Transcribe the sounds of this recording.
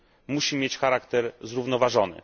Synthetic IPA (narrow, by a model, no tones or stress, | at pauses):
muɕimʲjet͡ɕxaɾakt̪ɛɾzɾuvnɔvaʐɔnɘ̰